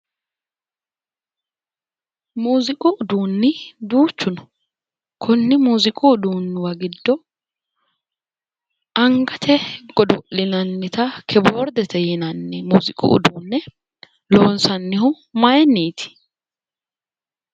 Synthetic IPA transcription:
muːzɪkʼʊʔʊd̪uːnːɪd̪uːt͡ʃːʊnɔ̥ | kʰʊnːɪmuːzɪkʼuːd̪uːnːɪwɐɡɪd̪ːɔ | ʔɐŋɡɐt̪ʰɛɡ̥ɔd̪ɔʔɪnɐnːɪt̪ɐkʰɛboːɾd̪ɛt̪ɛjɪnɐnːɛmuːzɪkʼṵʊ̰d̪uːnːɛ | lo̞ːnsɐnːɪhʊ | mɐjɛnːiːt̪ɪ̥

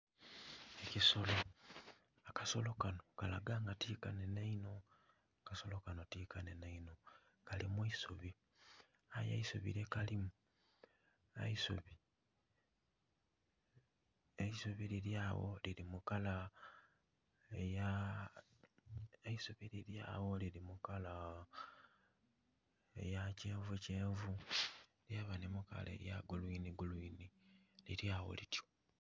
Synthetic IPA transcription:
ekisolo | akaso̞lo̞kano̞kalaɡaːŋɡatiːkanenaino̞ | akaso̞lo̞kano̞tiːkanenaino̞ | kalimuisoβi | aja̰iso̰βḭɾe̞kalimu | a̰isoβi | eisoβiliɾjaːwo̰liɾimukala | eja | eisoβiɾiɾja̰ːwo̞liɾimukala | ḛjace̞ːɱveceːɱvu | ljaβanemuka̰lḛja̰ɡulwiːniɡulwiːniliɾjaːwo̰litjo̥

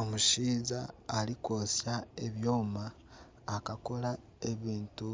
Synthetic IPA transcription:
omuʃiːzaːliko̞ːsjaeβjoːmaː | kakola | e̞βiːntu

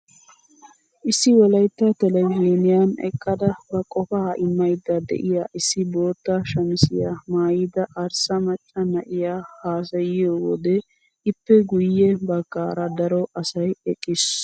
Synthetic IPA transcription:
ʔɪsːɪwɔlɐjt̪ːɐt̪ɛlɛɡeːnɪjanɛ̰kʼːɐd̪ɐbɐkʼɔfaːɪmːɐjd̪ɐd̪ɛ̰ʔɪjaːʔɪsːɪbo̞ːt̪ːɐʃɐmɪsɪja̰maːjɪd̪ɐʔɐɾsɐmɐt͡ʃʼːɐnɐʔɪjaːhaːsɐjɪjoːwɔd̪ɛ | ɪpːɛɡʊjːɛbɐkːaːɾɐd̪ɐɾɔʔɐsɐjɛkʼːɪs

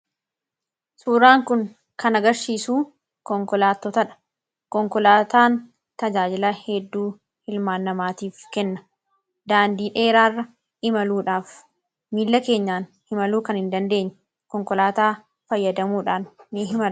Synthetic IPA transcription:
suːɾaːŋkʊŋ | kɐnɐɡɐɾʃiːsuː | kɔŋkɔlaːt̪ːɔt̪ɐᶑɐ̥ | kɔŋkɔlaːt̪aːn | t̪ɐd͡ʒaːd͡ʒɪlɐhɛd̪ːuː | hɪlmaːnːɐmaːt̪iːfkɛnːɐ | d̪aːnd̪iːᶑe̞ːɾaːrːɐ | ʔɪmɐluːᶑaːf | miːlːɐke̞ːɲːaːnhɪmɐluːkɐnɪnd̪ɐnd̪e̞ːɲːɐ | kɔŋkɔlaːt̪aː | fɐjːɐd̪ɐmuːᶑaːnːɪɦɪmɐl

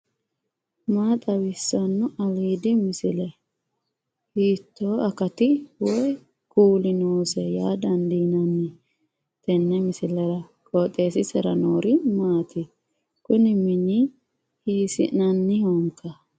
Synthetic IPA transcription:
maːt̪ʼɐwɪsːɐnːʊʔɐliːd̪ɪmɪsɪlɛ | hiːt̪ːoːɐkɐt̪ɪwɔj | kuːlɪnuːsɛjaːd̪ɐnd̪inɐnːɪ | t̪ɛnːɛmɪsɪlɛɾɐ | kʼɔːt̪ʼːeːsɪsɛɾɐnoːɾɪmaːt̪ɪ | kʊnɪmɪni | hiːsɪ̰nɐnːɪhoŋkʰːɐ

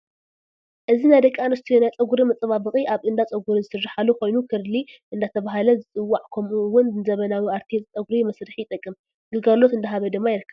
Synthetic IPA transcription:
ʔɨzinajd̪ɐkʼːanɨst̪ʰijonajt͡sʼɐɡuɾimɐt͡sʼɐβabɨχʼiʔaβɨnd̪at͡sʼɐɡuɾizɨsɨrːaħaluko̞jnukʰɨɾliʔɨnd̪at̪ʰɐβaɦalɐzɨt͡sʼɨwːaʕkʰɐmʔuwʊnzɨnzɐβɐnawiaɾt̪ʰit͡sʼɐɡuɾimɐsɾɨħjɪt̪ʼɐkʼːɨm | ɡ̥ɨɡalo̞t̪ɨnd̪aɦaβɐd̪ɨmːajɪɾɨkʰːɐβ

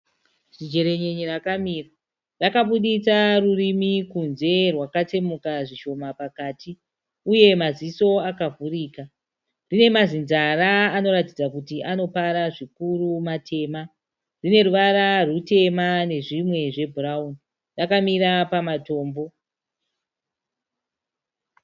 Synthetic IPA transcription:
ʐ̥id͡ʒe̞ɾe̞ɲeɲirakamiːra | rakaɓuɗit͡sarurimikunze̞rwakat͡se̞mukaʐiʃo̞mapakaːti | uje̞maziso̞akavuriːka | rine̞mazinzaraːno̞ɾatid͡zakutiʔano̞paɾaʐikurumatʰe̞ːma | rine̞ɾuʋaɾarute̞mane̞ʐimwe̞ʐe̞bʱuraun | rakamiɾapamato̞ːmbo̞

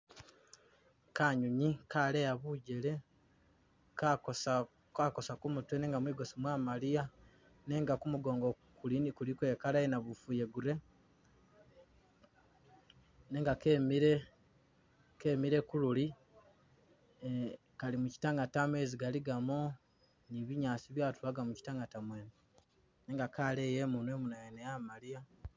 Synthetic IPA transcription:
kaːɲuɲikaːlejaβuːɟe̞le̞ | kakosa | kako̞sakumutweneːŋɡamwiːɡo̞somwaːmalija | ne̞ːŋɡakumuɡo̞ːŋɡo̞ | kulinikulikwe̞ːkalaenaβufuje̞ɡuɾe̞ | ne̞ːŋɡakemiɾe | ke̞ːmiɾe̞kululi | kalimuci̥taŋɡatamwe̞ːziɡaliɡamo | niβiɲaːsiβjaːtulaɡamuci̥taŋɡatamweːni | ne̞ːŋɡakaːleːjeːmunwe̞ːmunajenejamalia

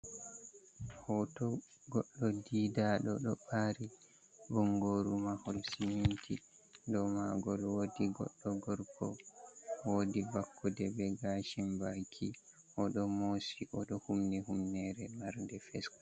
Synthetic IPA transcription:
hɔtɔ | ɡɔɗːɔdiːdaɗɔɗɔɓaɾi | bɔŋɡoɾumaholsinintʰi | ndɔmaɡɔlwodiɡɔ̰ɗːɔɡɔɾkʰɔ | wodibakʰːɔdɛbɛɡaʃimbajkʰi | ʔɔɗɔmosiʔɔɗɔhumnɛhumnɛɾɛmaɾndɛfɛsk

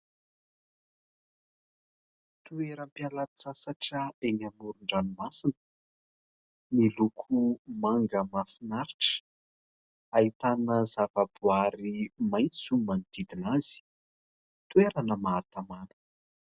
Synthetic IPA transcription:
t̪ueɾəmpjalət͡sasaʈ͡ʂəeɲamuɾuɳɖ͡ʐanumasinə̥ | nilukʰumaŋɡəmafinaɾiʈ͡ʂə̥ | ait̪anəzavabuaɾimajnt͡sumanid̪̥id̪inazi̥ | t̪ueɾanəmaːt̪amanə̥

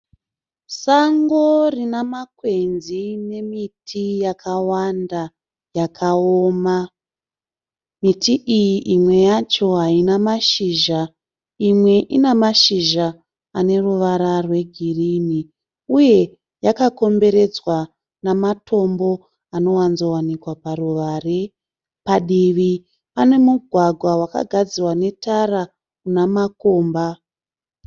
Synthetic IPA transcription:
saŋɡorinamakwe̞nzine̞mitʰijakʰawanda | jakʰaoːma | mitiʔijiʔimwe̞jat͡ʃo̞ɦainamaʃiːʒa | imwe̞ʔinamaʃiʒa | ane̞ruʋaɾarwe̞ɡʱirini | uje̞ | jakako̞mbe̞ɾe̞d͡zwa | namatʰo̞mbo̞ | ano̞wanzo̞wanikwaparuʋaːre | paɗiʋi | pane̞muɡʱwaɡʱwawaka̰ɡʱad͡ziwane̞taɾa | kunamako̞ːmba

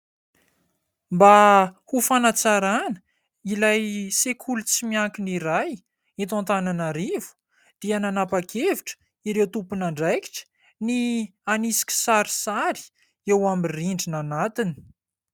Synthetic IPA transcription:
mbahufanat͡saɾanə̥ | ilajsekʰulut͡simiaŋkiniɾaj | it̪̬ãnt̪ananaɾivu̥ | d̪̥iananapakʰeviʈ͡ʂə̥ | iɾewt̪upunaɳɖ͡ʐajki̥ʈ͡ʂə̥ | ni | anisi̥kʲi̥saɾisaɾi̥ | ewamiriɳɖ͡ʐinanat̪ini̥

